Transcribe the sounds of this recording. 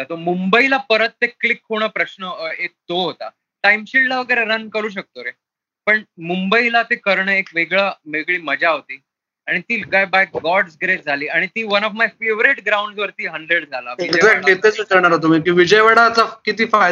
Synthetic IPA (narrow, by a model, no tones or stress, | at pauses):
d͡zat̪omumbəilapəɾət̪ːeklikʰːɦoɽ̃əpɾəɕnəet̪oɦot̪a̰ | ʈajmɕillaʋəɡəjɾeɾənkəɾuːɕ̬ək̚t̪oɾe | pəɳmumbəilat̪ekəɾɳəekʋeɡɭaʋeɡɭiːməd͡ʑaɦot̪iː | aɽ̃it̪iːlɡajbajɡɔɽsɡɾes̚d͡zʱaliːaɽ̃it̪iːʋənɔfmajfeʋɾeʈɡɾawɳɖsʋəɾt̪iːɦəɳɖɾeɽd͡zʱalaʋiekzakʈit̪et͡sut͡səɾɳ̃aɾɦot̪̬omikiːʋid͡ʑəjʋəɽaːt͡sakit̪iːfa